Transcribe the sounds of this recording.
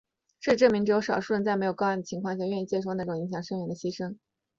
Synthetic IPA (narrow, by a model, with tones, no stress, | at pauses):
ʂɻ̩˥˩˧ʈ͡ʂɤ˥˩mi˧˥ŋʈ͡ʂɻ̩˧˥jo˧˥ʊʂɑ˨˩ʊʂu˥˧t͡sa˥˩ɪm˧˥ɪjkɑ˥˧˥nd̪ə˩t͡ɕʰi˧˥ŋkʰwɑ˥˧ŋɕja˥˧ɥɛ˥˧ni˥˩t͡ɕjɛ˥ʂ̬o˥˧ʊna˥˩ʈ͡ʂʊ˨˩ŋi˧˥ŋɕjɑ˨˩ŋʂɤ˥˧ŋɥɛ˧˥nd̪ə˧ɕi˥ʂɤ˥ŋ